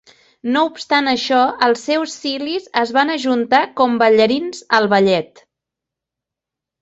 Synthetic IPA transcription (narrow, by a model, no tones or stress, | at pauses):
noupst̪anəʃɔəlˠsːɛwsːilizəzβanəʒunt̪akɔmbəʎəɾinzəlˠβəʎɛt̪